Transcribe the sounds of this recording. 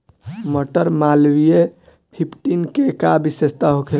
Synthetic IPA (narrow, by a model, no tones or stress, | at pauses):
məʈəɾmalwije | pʰipʈinkekabisest̪aɦokʰe